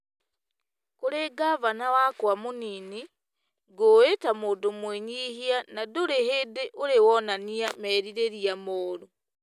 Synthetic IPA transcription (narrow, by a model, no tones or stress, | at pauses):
koɾeɡaβanawakwamunini | ɡoetamodomweɲihianadoɾehedeʔoɾewɔnaniamɛːɾiɾeɾiamoːɾo